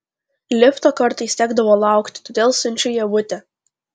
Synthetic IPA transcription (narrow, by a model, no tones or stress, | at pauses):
lʲɪft̪oːkɐɾt̪ɐɪsʲt̪ʲæːɡd̪ɐʋoːlˠɑˑʊkt̪ʲɪ̥t̪oːd̪ʲeːlˠsʊnʲt͡ʃʲʊjɛʋʊt̪ʲɛ